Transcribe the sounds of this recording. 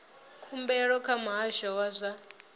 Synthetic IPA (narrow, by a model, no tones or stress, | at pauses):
kʰumbɛɺɔkʰamɦaʃawazʷa